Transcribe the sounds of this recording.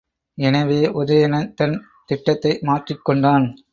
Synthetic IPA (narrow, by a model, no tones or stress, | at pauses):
ɛnɐʋeːʔʊðɐjɐnɐt̪ɐn | t̪ɪʈːɐt̪ːɐɪmaːʈrɪkːɔɳɖaːn